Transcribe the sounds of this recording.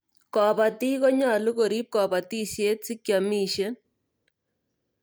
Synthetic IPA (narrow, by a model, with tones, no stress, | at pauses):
kɔ˨pa˨ti˦kɔ˦ɲa˨lu˦ko˨ɾiː˦p̚kɔ˨pa˨ti˦se˦t̚si˦kja˨miː˦ʃe˦